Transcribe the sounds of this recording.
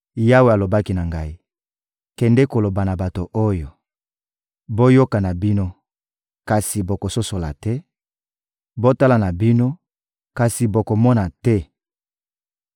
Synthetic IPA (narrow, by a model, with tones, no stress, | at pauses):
ja˦we˨a˨lo˨ba˦ki˦na˨ŋɡa˦i˦ | kɛ˨ndɛ˦ko˨lo˨ba˨na˨ba˨to˨ʔo˦jo˨ | bo˦jo˦ka˨na˨bi˦no˦ | ka˨si˨bo˨ko˨so˦so˨la̰˨tɛ˦ | bo˦ta˦la˨na˨bi˦no˦ | ka˨si˨bo˨ko˨mɔ˦na˨tɛ˦